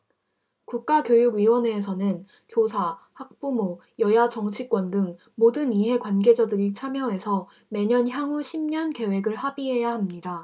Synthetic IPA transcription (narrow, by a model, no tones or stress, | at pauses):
kuk̚k͈akjojuɡɥiwʌneːs̬ʰʌnɯn | kjosʰahak̚p͈umo | jʌjad͡ʑʌŋt͡ɕʰik͈wʌndɯŋ | modɯniɦe̞kwanɡe̞d͡ʑadɯɾit͡ɕʰamjʌɦe̞sʰʌ | me̞ɲʌnçjaŋuɕʰimɲʌnke̞we̞ɡɯɭhabiɦe̞jahamɲida